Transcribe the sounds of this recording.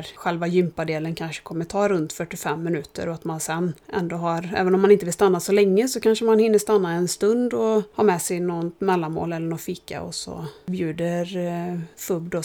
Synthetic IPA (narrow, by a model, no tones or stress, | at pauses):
ɾɧɛlvajʏmpad̪eːlənkʰanʂə̥kʰɔmːəʈʰɑːɾɵnt̪fœʈːɪfɛmːɪnʉ̟ːt̪ʰə̰ɾɔat̪mansɛnːʔɛ̰nd̪oːɦaɾɛ̰ːvənɔmːanɪnt̪əvɪlst̪anːasɔlɛŋːəsɔkanʂəmanhɪnːəʂt̪anːaɛnst̪ɵnd̪ɔhɑːɾmɛsɛjnɔnt̪mɛlːanmo̰ːlɛlːəɳɔt̪fiːka̰ɔ̰sɔ̰bjʉ̟ːd̪əɾfɵbd̪ɔ